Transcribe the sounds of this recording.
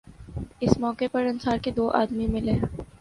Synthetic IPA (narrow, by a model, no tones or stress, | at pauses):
ɪsmɔːkepɐɾɐ̃nsaːɾked̪oːʔa̰ːd̪mimɪlẽː